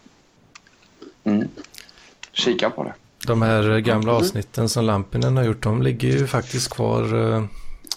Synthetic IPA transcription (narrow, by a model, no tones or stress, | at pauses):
m̩ː | ɕiːkapʰɔ̰d̪ɛ̰ | d̪̥ɔmhæːɾɡamlaɑːvsnɪt̪ʰːənsɔmlampːɪnənhaɾjʊʈːdɔmlɪɡːəɾjɵfak̚t̪ɪst̪kʰvɑ̰ːɾ